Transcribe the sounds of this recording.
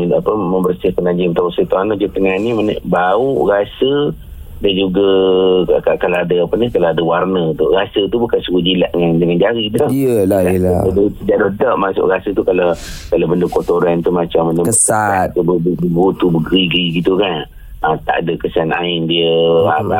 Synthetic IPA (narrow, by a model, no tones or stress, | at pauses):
apəməmbərsɪhkanad͡ʒint̪ausət̪ɔanəd͡ʒut̪əŋanimənə̰ʔbauʔɣasə | dand͡ʒuɡa | kakalaadəapənikalaadəwarnət̪ʊʔɣasət̪ubukansukud͡ʒilaʔŋandəŋand͡ʒaɾidɔəladsəd͡ʒaʔdodɔʔmasʊ̰ʔɣasət̪ukalakalabəndəkot̪oɾant̪umat͡ʃambənəkəskəaat̪̚ːubəəbəɡut̪ubəɡɾiɡɾiɡit̪ukan | ət̪a̰ʔadəkəsana̰ɪndiəaa